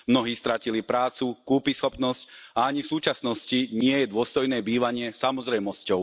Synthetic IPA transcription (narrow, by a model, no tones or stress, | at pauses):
mnɔɦiːst̪ɾacilipɾaːt͡sukuːpisxɔpnɔscaaɲifsuːt͡ʃasnɔsciɲɪɛjɛd̪ʊɔst̪ɔjnɛːbiːʋaɲɪɛsamɔzɾɛjmɔscɔʊ